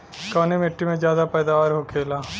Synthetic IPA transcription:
kɔːnemeʈːimẽzjaːd̪apɛːd̪aːʋaːɾɦokʰeːlaː

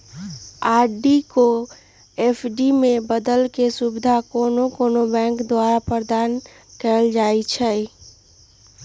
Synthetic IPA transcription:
aɾɖiko | epʰɖimẽbəd̪əlkesubɪd̪ʱakonokonobɛ̃ŋkd̪waɾapəɾd̪an | kɛld͡ʒajt͡ʃʰɛ

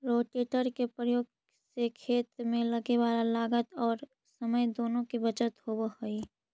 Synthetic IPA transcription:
ɾoːʈeːʈəɾkepɾəjoːɡ | sekʰeːt̪mẽləɡeʋaːlalaːɡət̪ɔːɾ | səməjd̪oːnõkibət͡ʃət̪hobəhoi

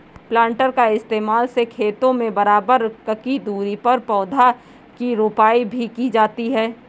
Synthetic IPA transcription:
plãːɳʈəɾkaɪst̪eːmaːlsekʰeːt̪õmẽbɐɾaːbəɾkɐkid̪uːɾipɐɾpɔːd̪ʱa | kiɾoːpaːibʱikid͡ʒaːt̪iɦɛː

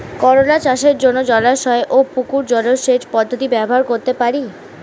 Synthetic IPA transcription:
kɔɾonat͡ɕaʃeɾd͡ʑonːod͡ʑɔlaʃɔeʔopukuɾd͡ʑɔloɾʃet͡ɕpɔd̪ʱːot̪ibɛboɦaɾkoɾt̪epaɾi

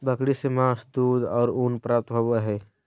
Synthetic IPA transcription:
bʱəkɽisemaːsd̪uːd̪ɔ̰ːɾunpɾaːp̚t̪bʱəbəɦɛː

